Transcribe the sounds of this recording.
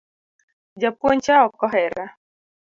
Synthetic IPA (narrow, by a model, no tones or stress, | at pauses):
d͡ʒapwɔɲt͡ʃaɔkɔɦɛɾa